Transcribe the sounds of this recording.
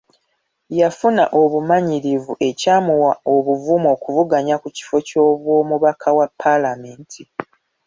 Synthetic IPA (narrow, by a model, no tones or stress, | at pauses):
jafuna̰ʔo̞βumaɲiɾivuʔe̞caːmuwao̞βuvumo̞ːkuvuɡaɲakuci̥foco̞ːβwo̞ːmuβakʰawapʰːalame̞ːntʰi